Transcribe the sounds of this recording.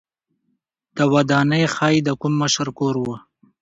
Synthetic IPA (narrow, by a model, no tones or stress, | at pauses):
d̪̥əwad̪ɑnəjxɑjd̪əkʊmːəʃəɾkoɾwə